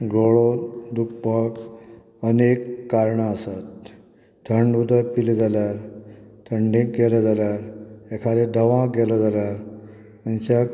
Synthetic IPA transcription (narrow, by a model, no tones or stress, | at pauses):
ɡoɭod̪ukpək | ənekːaɾɳaəsat̪ | t̪ʰəɳɖʋud̪əpild͡zaljaɾt̪ʰəɳɖĩkɡelad͡zaljaɾekʰaɾed̪əʋãɡelɔd͡zaljaɾ | maɲt͡ɕa